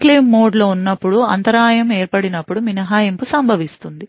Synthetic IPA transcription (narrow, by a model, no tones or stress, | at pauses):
klimːo̞ːɖlo̞ːunːɐpːuɽuɐ̰nt̪ɐɾaːjɐme̞ːɾpɐɽinɐpːuɽuminɐɦaːjɐmpusɐmbʱɐʋist̪und̪i